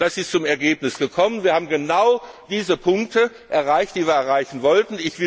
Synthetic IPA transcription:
d̥asɪstt͡sʊmɛɐɡeːpnɪsɡ̥əkʰɔmənviːɐhaːbm̩ɡənaʊd̥iːzəpʰʊŋk̚tə | ʔɛɐʁaɪçtd̥iːviːɐɛɐʁaɪçn̩vɔltn̩ɪçv̥ɪ

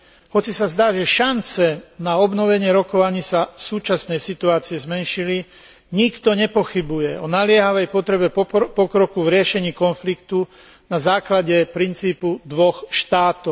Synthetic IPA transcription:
hɔt͡sisazd̪aːʒɛʃant͡sɛnaɔbnɔʋɛɲɪɛɾɔkɔʋaɲiːsafsuːt͡ʃasnɛjsit̪uaːt͡siɛzmɛnʃili | ɲikt̪ɔɲɛpɔxibujɛɔnalɪɛɦaʋɛjpɔt̪ɾɛbɛpɔkɾɔkuvɾɪɛʃɛɲiːkɔnflikt̪u | nazaːklaɟɛpɾint͡siːpud̪ʋɔxʃt̪aːt̪ɔʊ

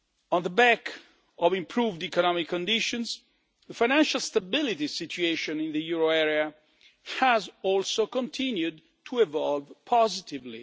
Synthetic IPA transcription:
ɔ̃nðəbɛk | ɔvĩmpʰɹuːvdikɔnɔmikʰːɔ̃ndɪʃɔ̃nz | ðəfajnæ̃nʃalst̪abɪlit̪isitʰueʃɔ̃nĩnðəjuɹoɛɹia | hæzɔlsokɔ̃ntʰĩnjud | tʰuɛvɔlvpʰɔzɪt̪ivlḭ

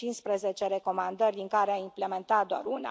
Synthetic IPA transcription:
t͡ʃinspɾəzet͡ʃe̞ɾe̞ko̞mand̪ərʲd̪iŋkaɾeaimple̞ment̪at̪̚d̪oa̰runa̰

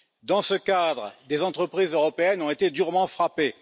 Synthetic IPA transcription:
d̪ɑ̃səkad̪ʁd̪ezɑ̃t̪χəpχizøʁɔpeɛnɔ̃et̪ed̪yʁmɑ̃fχape

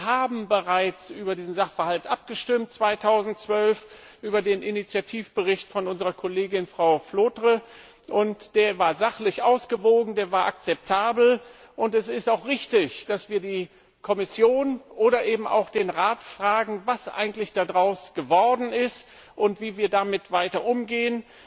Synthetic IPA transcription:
haːbm̩bəʁaɪt͡sʔyːbɐdiːzn̩zaχfɐhaltʔap̚ɡ̥əʃtɪmtt͡sv̥aɪtʰaʊzn̩tt͡sv̥œlf | ʔyːbɐdeːnʔinit͡sjatʰiːfb̥əʁɪçtfɔnʊnzəʁɐkʰɔleːɡɪnfʁ̥aʊfloːtʁə | ʔʊntd̥eːɐvaːɐzaχlɪçʔaʊsɡ̥əvoːɡŋ̩deːɐvaːɐʔa̰k̚t͡sɛp̚tʰaːbl̩ | ʔʊntɛsɪstaʊχʁɪçtɪçd̥asv̥iːɐdiː | kʰɔmɪsjoːnʔoːɾɐʔeːbm̩ʔa̰ʊxd̥eːnʁaːtfʁ̥aːɡŋ̩vasʔa̰ɪɡŋ̩tlɪçd̥adʁaʊsɡ̥əvɔɐdn̩ɪst | ʔʊntv̥iːviːɐdamɪtv̥aɪtɐʔʊmɡeːən

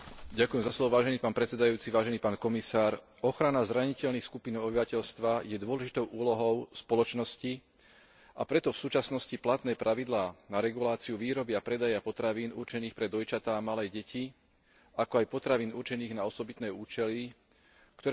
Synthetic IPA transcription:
ɟakuʊjɛmzaslɔʋɔʋaːʒɛniːpaːnpɾɛt͡ssɛd̪ajuːt͡siʋaːʒɛniːpaːnkɔmisaːɾ | ɔxɾanazɾaɲicɛʎnixskupinɔɔbiʋacɛʎst̪ʋajɛd̪ʊɔlɛʒit̪ɔʊʔuːlɔɦɔʊspɔlɔt͡ʃnɔsci | ʔapɾɛt̪ɔfsuːt͡ʃasnɔsciplat̪nɛːpɾʔaʋid̪laːnaɾɛɡulaːt͡siuʋiːɾɔbɪapɾɛd̪ajapɔt̪ɾaʋiːnṵɾt͡ʃɛniːxpɾɛd̪ɔjt͡ʃat̪aːamalɛːɟɛcʰi | akɔajpɔt̪ɾaʋiːnuɾt͡ʃɛniːɣnaɔsɔbit̪nɛːuːt͡ʃɛli | kt̪ɔɾ

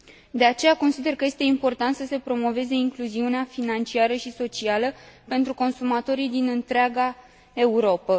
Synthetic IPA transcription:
d̪e̞at͡ʃe̞jako̞nsid̪e̞rkəje̞st̪e̞impo̞rt̪ant̪səse̞pɾo̞mo̞ve̞ze̞iŋkluziuneafinant͡ʃiaɾəʃiso̞t͡ʃialəpe̞nt̪ɾuko̞nsumat̪o̞ɾid̪inɨnt̪ɾeaɡa | e̞uɾo̞pə

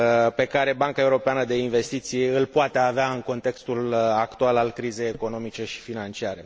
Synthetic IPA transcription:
pe̞kaɾe̞baŋkae̞uɾo̞peanəd̪e̞inve̞st̪it̪siɨlpoat̪e̞aveaɨŋko̞nt̪e̞kst̪ulakt̪ualalkɾize̞jeko̞no̞mit͡ʃe̞ʃi̥finant͡ʃiaɾe̞

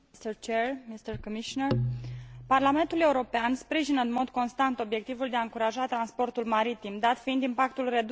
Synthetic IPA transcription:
st̪ərt͡ʃermist̪ərkomiʃonərparlame̞nt̪ule̞uɾo̞peanspɾiʒinəɨnmo̞d̪ko̞nst̪ant̪o̞bje̞k̚t̪ivuld̪eaɨŋkuɾaʒat̪ɾanspo̞rt̪ulmaɾit̪imd̪at̪fiind̪impak̚t̪ulre̞d̪

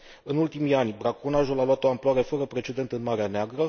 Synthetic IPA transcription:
ɨnult̪imijanʲbɾakonaʒulaloat̪oamploaɾe̞fəɾəpɾe̞t͡ʃe̞d̪e̞nt̪ɨnmaɾeaneaɡɾə

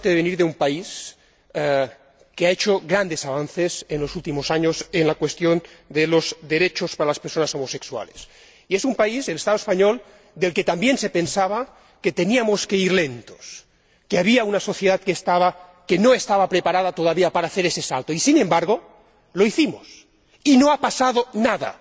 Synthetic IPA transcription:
t̪eðeβeniɾðeumpais | keaet͡ʃoɣɾand̪esaβ̞anθesenlo̞sult̪imosaɲosenlakwe̞st̪jo̞nd̪elozd̪eɾet͡ʃospaɾalaspeɾso̞naso̞mose̞ksua̰les | iesumpaizðelest̪aðoespaɲol | d̪e̞lke̞t̪ambje̞nse̞pensaβ̞a | ke̞t̪e̞niamo̞ske̞iɾle̞nt̪o̞̥s | keaβiaunaso̞θje̞ðat̪keːst̪aβake̞noest̪aβapɾe̞paɾað̞at̪o̞ð̞aβiapaɾaːθe̞ɾese̞salt̪oisinẽ̞mbaɾɣ̞o̞ | lo̞iθimo̞̰s | ino̞apasað̞o̞naða̰

